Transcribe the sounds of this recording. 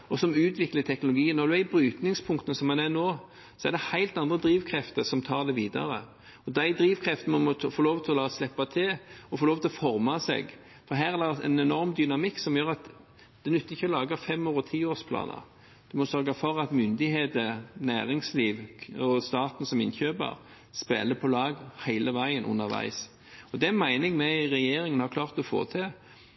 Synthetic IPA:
ɔsɔmʉːt̪ʰʋɪklət̪ʰɛknʊlʊɡiːənnɔɾd̪ʉæbɾyːt̪nɪŋspʰʊŋkt̪ənəsɔmːɛnænoː | sɔɛɾd̪ɛhæɪlt̪ɑnd̪ʁəd̪ɾiːʋkʰɾɛft̪əɾsɔmt̪ʰɑːɾd̪ɛʋiːd̪ɑ̰ɾə̰ | ɔd̪æɪd̪ɾiːʋkʰɾɛft̪ənmɔmɔfoːɾloːʋt̪ʰɪlɔlɑːslɛpːɑt̪ʰɪɔfoɾloːʋt̪ʰɪlɔfɔɾmɑsɛ̰ɡ | fɔɾɦæːʁæd̪ɛɛ̰nɛnɔɾmd̪ʏnɑmɪkːsɔmjøːɾɑt̪ | d̪̥ɛnʉt̪ːɪçːəɔlɑːɡəfɛmːoːʁɔt̪ʰiːoːspʰlɑ̰ːnə̰ɾ | d̪̥ʉmɔsœɾɡɑfɔɾɑt̪mʏnd̪ɪheːt̪ənæ̰ːɾɪŋsliːʋɔst̪ɑːt̪n̩sɔmɪ̰nçøːbə̰ɾ | spḛːləpʰɔlɑːɡhæɪləʋæɪənʔʊ̰nːəɾʋæ̰ɪs | ɔd̪ɛæmæɪnɪŋmɛɾɛjeːɾɪŋənhɑkʰlɑːʁt̪ɔfo̰ːt̪ʰɪ

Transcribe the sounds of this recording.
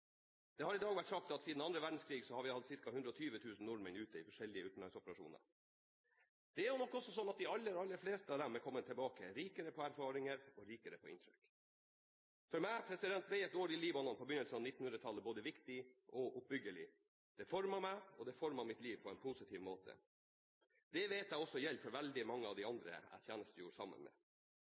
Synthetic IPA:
d̪̥ɛhɑɾɪd̪ɑːɡʋæʈsɑk̚t̪ɑt̪siːd̪n̩ɑnd̪ɾəʋæɖn̩skʰɾiːɡsɔhɑɾʋɪhɑd̪sɪɾkɑhʉnd̪ɾɔt̪ʰyːʋət̪ʰʉːsn̩nʊɾmənʉːt̪əɪfɔʂɛlːɪəʉt̪n̩lɑŋsɔpəɾɑʂṵːnə̰ɾ | d̪̥ɛæɾjʊnɔkːɔsːɔsɔnːɑt̪̚d̪ɪɑlːəɾɑlːəɾfleːst̪əɑʋd̪æɾmɛːkʰɔmːənt̪ʰɛlbɑːkəɾiːkəɾəpʰɔæɾfɑːɾɪŋəɾɔɾiːkəɾəpʰɔɪ̰nt̪ɾʏk | fɔɾmæɪpʰɾɛsɪd̪ɛnt̪̚bɛɪɛt̪d̪oːɾɪliːbɑnɔnpʰɔbʏnːəlsənɑnɪt̪ːn̩hʉnɾət̪ʰɑlːəboːd̪əʋɪkt̪ɪʔɔʔʊp̚bʏɡəɭɪ̰ | d̪̥ɛfɔɾmɑmæɪɔd̪ɛfɔɾmɑmɪt̪liːʋpʰɔɛnpʰusɪt̪ʰiːʋmoːt̪ʰə̰ | d̪̥ɛʋeːt̪jæɪɔsːɔjɛlpfɔɾʋɛld̪ɪmɑŋːəɑʋd̪ɪɑnd̪ɾə̰æ̰t̪ʰjæːnəst̪əjuːsɑ̰mːə̰nmɛ̰ː

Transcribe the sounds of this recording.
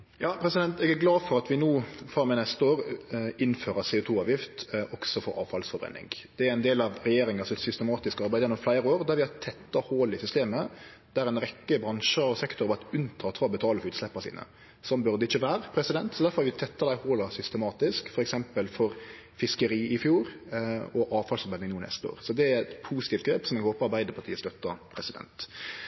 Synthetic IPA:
jɑːpʰɾɛsɪd̪ɛnt̪ɛɡæɡlɑːfɔɾɑt̪ʋɪnuːfʁɑmɛnɛst̪oːɾɪnːføːɾəseːʊt̪ʰuːɑːʋjɪft̪ʔɔksɔfɔɾʔɑ̰ːʋfɑlsfɔbɾɛ̰nːɪ̰ŋd̪̥ɛæɾæɪnd̪eːlɑʋɾɛjeːɾɪŋɑsɔmɛt̪sʏst̪əmɑːt̪ɪskɑɾbæɪd̪jɛnːɔmflæɪɾəoːɾd̪æɾʋɪhɑɾt̪ʰɛt̪ːɑhoːlɪsʏst̪eːmə | d̪̥æɾɛɪnɾɛkːəbɾɑnʃəɔsɛkt̪ʊɾʋɑt̪ʉnt̪ʰɑːt̪fɑɔbət̪ʰɑːləfɔʉːt̪slɛpːəsḭːnə̰ | sɔmbʉʁd̪əɪçəʋæːɾəpʰɾɛsɪd̪ɛnt̪sɔd̪æɾfɔɾhɑʋɪt̪ʰɛt̪ːɑd̪æɪhoːlɑsʏst̪əmɑːt̪ɪskfɔɾɛksɛmpəlfɔɾ | fɪskəɾiːɪfjuːɾɔʔɑːʋfɑlsɑnmɛd̪ɪŋnuːnɛ̰st̪əo̰ːʁsɔd̪ɛæɾɛt̪pʰuːsɪ̥t̪iːft̪ɡɾeːpsɔmɛnhoːpɑɾbæɪd̪əpʰɑt̪ʰiːəst̪œt̪ːɑpʰɾɛsɪd̪ɛ̰nt̪

